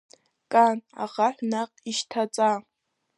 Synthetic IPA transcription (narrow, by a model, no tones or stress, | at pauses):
kʼana̰ʁaħʷnaqʼiʃtʰat͡sʼa